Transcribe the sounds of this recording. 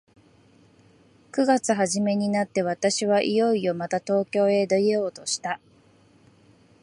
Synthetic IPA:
kɯ̟ɡat͡sɨɦaʑime̞ɲ̟inat̪ːe̞β̞at̪aɕiβaʔijo̞io̞mat̪at̪o̞ːkʲo̞ːe̞d̪oeo̞ːt̪o̞ɕi̥t̪a

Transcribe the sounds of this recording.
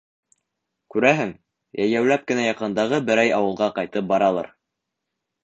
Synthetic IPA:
kʉɾæɦɘŋ | jæjæwlæp̚kɘ̆næjɑqɤ̆nd̪ɑʁɤbɘ̆ɾæjɑwɤ̆lˠʁɑqɑjt̪ɤp̚bɑɾɑlˠɑ̰ɾ

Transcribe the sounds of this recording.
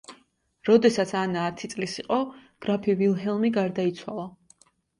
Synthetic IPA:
ɾɔd̪ɛsat̪sʰanaːt̪ʰit̪sʼlisiqʼɔɡ̥ɾapʰivilˠɦɛlˠmiɡaɾd̪ait̪sʰwa̰lˠa

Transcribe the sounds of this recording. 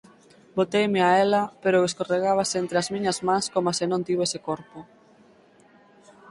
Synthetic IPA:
bot̪ejmeaelɐpeɾoeskoreɣaβasent̪ɾeazmiɲɐzmãŋskomasenõnt̪iβoesekoɾpʊ

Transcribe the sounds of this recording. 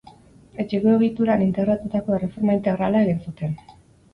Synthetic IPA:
e̞t͡ʃeɣoeɣit̪uɾanint̪e̞ɣɾat̪ut̪ako̞e̞re̞fo̞ɾmaint̪e̞ɣ̞ɾalae̞ɣinsut̪e̞n

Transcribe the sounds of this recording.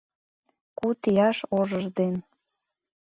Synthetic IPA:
kut̪ijɑʃoʒəʒd̪en

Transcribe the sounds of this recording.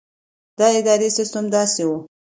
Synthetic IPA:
d̪ɑɪd̪ɑɾesɪst̪əmd̪ɑsewu

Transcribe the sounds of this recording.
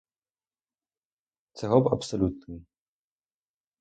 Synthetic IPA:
t͡sɛɦɔba̰psolut̪ni

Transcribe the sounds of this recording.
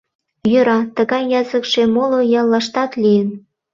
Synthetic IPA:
jøɾɑt̪əɣɑjːɑzəkʃemolojɑlːɑʃt̪ɑt̪lijən

